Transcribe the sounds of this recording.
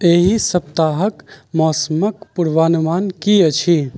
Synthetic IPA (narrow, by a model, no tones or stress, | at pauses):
eːɦisɐp̚t̪aːɦəkmɔːsəmək̚pʊɾʋaːnumaːnkiət͡ʃʰi